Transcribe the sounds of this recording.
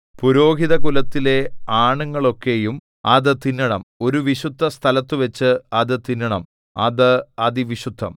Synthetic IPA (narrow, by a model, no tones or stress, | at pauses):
puɾo̞ːɡʱiðɐkulɐt̪ːile̞aːɳuŋːɐɭo̞kːe̞jum | ɐðɨt̪inːɐɳɐmo̞ɾuʋiɕud̪ʱːɐst̪ʰɐlɐt̪ːɨʋet͡ɕːɨɐðɨt̪inːɐɳɐm | ɐ̰ðɨɐðiʋiɕud̪ʱːɐ̰m